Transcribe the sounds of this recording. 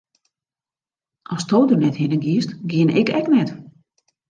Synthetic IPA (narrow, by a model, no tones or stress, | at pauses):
ɔstoːdərnɛthɪnəɡjiəstɡjɪənʔɛ̰kɛknɛt